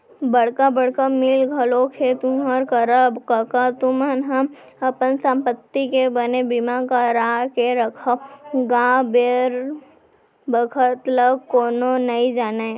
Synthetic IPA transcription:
bəɽkabəɽkamɪlɡʱɐlokʰet̪umɦəɾkəɾəbkəkat̪umənɦɐm | ɐpənsə̃mpət̪ːikebənebɪmakaɾakeɾəkʰaɡãːbeɾ | bəkʰət̪ləkoːnonɐĩd͡ʒaːne

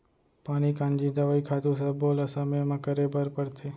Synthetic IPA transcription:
paɽ̃ikãnd͡ʒid̪əʋaikʰat̪usəbʱolasəməjmãkəɾebəɾpəɽt̪ʰe

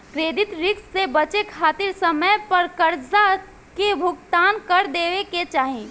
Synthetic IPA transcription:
kɾeːd̪ɪt̪ɾɪkssebɐt͡ʃekʰaːt̪ɪɾsəməjpɐɾkəɾd͡ʒa | kebʱʊɡ̚t̪aːnkɐɾd̪eːʋeket͡ʃaːɦĩ

